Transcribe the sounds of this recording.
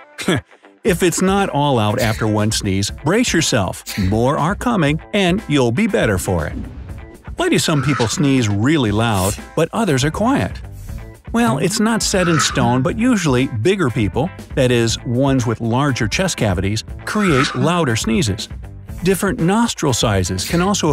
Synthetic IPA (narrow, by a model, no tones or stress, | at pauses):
ɪfɨtsnəɾɔlˠaʊɾæftə˞wʌ̃nsnizb̥ɹeɪsjə˞sɛ̰lˠfmɔɹə˞kʰʌmɪ̃ŋɨ̃njulˠbibɛɾə˞fə̰˞ɪ̰t̚ | waɪɾɨsʌ̃mpipl̩ˠsnizɹɪlˠilaʊd̚b̥ʌɾʔʌðə˞zə˞kʰw̥aɪɨ̰t̚ | wɛlˠɪtsnətsɛɾɨ̃nstõʊ̃nbʌʔ̚jʉʒl̩ˠibɪɡə˞pipl̩ˠðɨɾɪzwʌ̃nzwɨðlɑɹd͡ʒə˞t͡ʃʰɛskʰævɨɾiz̥kʰɹ̥ieɪtlaʊɾə˞snizɪ̰z̥ | d̥ɪfɹɨ̃nːnɑstɹ̥l̩ˠsaɪzɨz̥kʰɨ̃nɔlˠsoʊ